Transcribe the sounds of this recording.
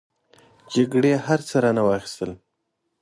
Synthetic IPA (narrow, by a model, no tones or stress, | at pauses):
d͡ʒaɡɽehaɾt͡səɾanawɑxi̥st̪əl